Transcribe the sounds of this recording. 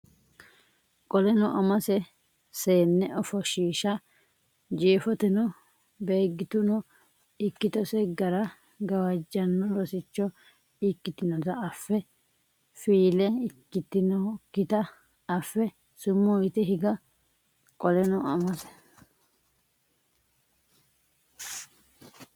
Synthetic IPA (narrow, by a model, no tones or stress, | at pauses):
kʼɔlɛnɔʔɐmɐsɛ | seːnːɛʔɔfɔʃiːʃɐ | d͡ʒiːfɔt̪ɛnɔ | be̞ːɡːɪt̪ʊnɔ | ɪkːɪt̪ɔsɛɡɐɾɐ | ɡɐwɐd͡ʒːɐnːɔlɔsɪt͡ʃːɔ | ɪkːɪt̪ɪnɔt̪ɐɐfːɛ | fiːlɛɪkːɪt̪ːɪnɔkːɪt̪ɐ | ɐfːɛ | sʊmːuɪt̪ɛɦɪɡɐ | kʼɔlɛnɔɐmɔsɛ̥